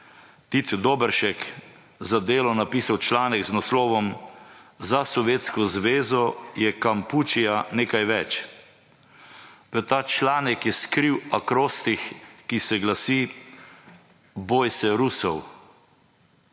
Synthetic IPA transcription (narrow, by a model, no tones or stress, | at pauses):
t̪it̪d̪obəɾʃɛk | zad̪eːlɔnapiːsawt͡ʃlaːnɛɡznaslɔːʋɔm | zasɔʋjeːt̪skɔzʋeːzɔjɛkamput͡ʃijaneːkajʋɛt͡ʃ | ʋət̪aːt͡ʃlaːnɛkjɛskɾiwakɾoːst̪ixkisɛɡlasiː | boːjsɛɾusɔw